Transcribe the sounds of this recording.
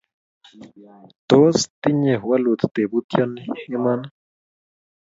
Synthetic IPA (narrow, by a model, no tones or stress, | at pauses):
t̪ost̪iɲexwalut̪t̪ebut̪janhiman